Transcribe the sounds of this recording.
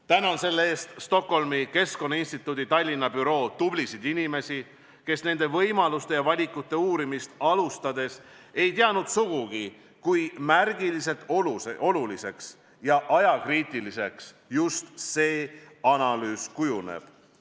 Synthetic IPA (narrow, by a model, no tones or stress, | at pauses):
t̪ænɑnse̞lːee̞ːst̪st̪o̞kho̞lmike̞sko̞nːɑinst̪it̪ːˑud̪it̪ɑlʲːinːɑb̥yɾo̞ːt̪ublisid̪̥inime̞si | ke̞sne̞nd̪̥e̞vɤjmɑlust̪e̞jɑvɑlʲikːˑut̪ːe̞uːɾimist̪ɑlust̪ɑd̪e̞se̞jt̪eɑnud̪̥suɡ̥uɡ̥i | kujmærɡilise̞t̪ːoleo̞lulise̞ks | jɑʔɑjɑkriːt̪ˑilise̞ks | just̪se̞ː | ɑnɑlyːskujunḛb̥